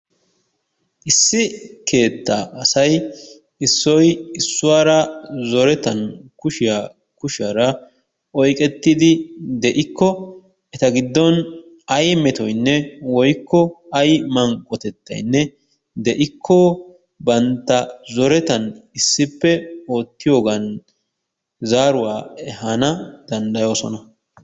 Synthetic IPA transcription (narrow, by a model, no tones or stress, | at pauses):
ʔɪsːɪkʰe̞ːt̪ːaʔɐsɐj | ɪsːɔjɪsːʊwaːɾɐzɔɾɛt̪ɐnkʊʃɪja | kʊʃɪaːɾɐ | ʔɔjkʼɛt̪ːɪd̪ɪd̪ɛʔɪkʰːɔ | ɛt̪ɐɡɪd̪ːɔn | ɐjmɛt̪ɔjnːɛwɔjkːɔɐjmɐŋkʼːɔt̪ɛt̪ːɐ̰jnːɛ | d̪ɛʔɪkʰːɔ | bɐnt̪ːɐzɔɾɛt̪ɐnɪsːɪpːɛo̞ːt̪ːɪjo̞ːɡɐn | zaːɾʊwaːɛhanɐd̪̥ɐnd̪ɐjo̞ːsɔ̰nɐ